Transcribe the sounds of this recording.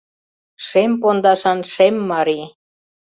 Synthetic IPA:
ʃempond̪ɑʃɑnʃemːɑɾi

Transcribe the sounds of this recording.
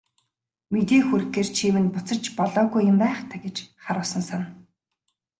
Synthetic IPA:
met̪eːxuɾɘ̆xeːrt͡ɕʰiːmɘ̆npʊt͡sə̆t͡ɕpɔɮɔːɣujːʊ̆mpæːχt̪ʰaɡʲet͡ɕχaɾʊːsə̆nsan

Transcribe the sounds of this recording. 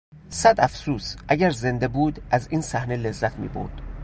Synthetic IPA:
sæd̪æfsuːsʔæɟæɾze̞nd̪ebuːd̪ʔæziːnsæhnele̞zːæt̪ʰmḭːbo̰ɾd̪̥

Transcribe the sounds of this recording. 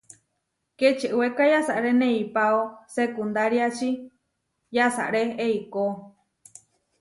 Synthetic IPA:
ket͡ʃiʔɨwekajasaʔɾenẽipaosekund̪aɾiat͡ʃi | jasa̰ɾeeiko

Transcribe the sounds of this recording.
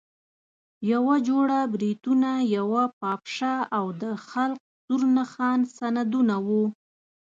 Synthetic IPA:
jawad͡ʒoɽabɾit̪unajawapɑpʃaawd̪əxalk̚zuɾnaxɑnsanad̪unawu

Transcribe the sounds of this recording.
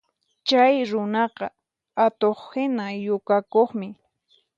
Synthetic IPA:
t͡ʃajɾʊnɑqɑ | at̪oχhɪnajʊkakoχmɪ

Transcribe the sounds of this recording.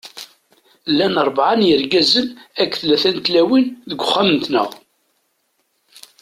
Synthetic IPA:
lːænəɾˤbʕanjəɾɡæzəlækːθlæθænt̪læwinðəɡʷʊχːæmənt̪nə̰ʁ

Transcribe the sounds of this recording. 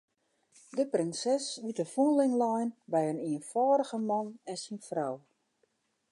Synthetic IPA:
dəprɪnsɛsʋitəfunlɪŋlɔjnbɛjəniənfɔːɾəɣəmɑnɛnsinfraw

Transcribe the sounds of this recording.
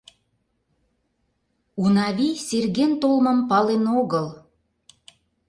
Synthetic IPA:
unɑβiserɣent̪olmə̆mpɑlenoɣəl

